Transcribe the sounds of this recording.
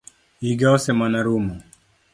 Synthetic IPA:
iɡaɔsɛmanaɾumɔ

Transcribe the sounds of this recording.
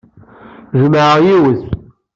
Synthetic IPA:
ʒəmʕəjiwəz

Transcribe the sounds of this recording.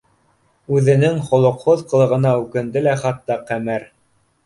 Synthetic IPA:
ʉðɘ̆nɘŋχŏlˠŏqhoðqɤ̆lˠɤ̆ʁɤ̆nɑʉkɘ̆nd̪ɘlæχɑt̪ːɑqæmɘɾ

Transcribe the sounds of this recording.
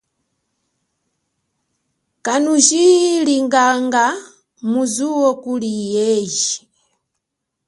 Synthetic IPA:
kanuʒiliŋɡaŋɡa | muzuwɔkulijɛʒi

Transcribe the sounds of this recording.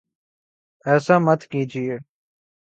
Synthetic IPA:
ɛːsaːmət̪kiːd͡ʒieː

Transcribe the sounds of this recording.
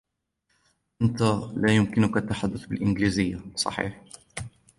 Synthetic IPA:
ʔant̪alaːjʊmkɪnʊkʔat̪ːaħad̪ːʊθbɪlʔɪnɡliːzɪjːasˤɑ̰ħḭːħ

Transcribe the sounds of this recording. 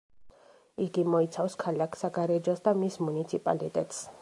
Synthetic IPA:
iɡimɔit̪sʰafskʰalakʰsaɡaɾɛd͡ʒɔsd̪amismunit̪sʰipʼa̰lit̪ʼɛt̪ʼs

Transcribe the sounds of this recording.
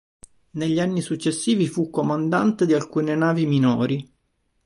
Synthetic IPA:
neʎːianːisut͡ʃːesːiːvifukːomand̪a̰nt̪ed̪ialkuːnenaːviminoːɾi

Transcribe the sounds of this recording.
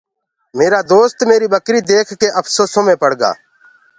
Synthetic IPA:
meːɾaːd̪oːst̪meːɾiːɓəkɾiːd̪eːkʰkeːʔəpʰsoːsõːmẽːpəɽɡa̰ː

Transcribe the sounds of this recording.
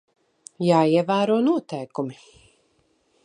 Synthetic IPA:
jaːiɛvæːɾuɔnuɔt̪ɛjkumi

